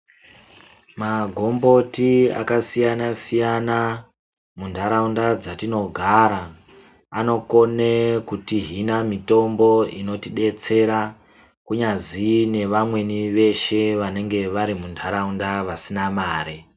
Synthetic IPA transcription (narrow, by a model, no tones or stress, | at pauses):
maɡʱo̞mbo̞tia̰kasijanasijana | mundʱaɾaundad͡zatino̞ɡʱaɾa | ano̞ko̞nekutiɦinamito̞mbo̞ino̞tiɗe̞t͡se̞ɾa | kuɲazine̞ʋamwe̞niʋe̞ʃe̞ʋane̞ŋɡe̞ʋaɾimundʱaɾaundaʋasinamaːɾe